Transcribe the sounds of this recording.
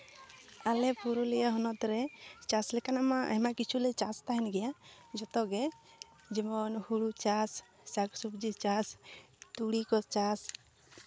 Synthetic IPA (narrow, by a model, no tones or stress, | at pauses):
alɛpuɾɔlɛjaɦɔnɔt̪ɾɛt͡ʃaslɛkanamaa̰ɦɛmakit͡ʃʰulɛt͡ʃast̪aɦɛnɡɛjad͡ʒɔt̪ɔɡɛ | d͡ʒimɔnhuɽut͡ʃas | saksupd͡ʒit͡ʃas | t̪uɽikɔst͡ʃas